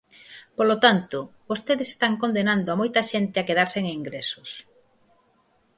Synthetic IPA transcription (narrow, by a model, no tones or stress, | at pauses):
polot̪ant̪ʊbost̪eðese̥st̪aŋkond̪enand̪oamojt̪ɐʃent̪eakeðaɾseŋiŋɡɾesʊs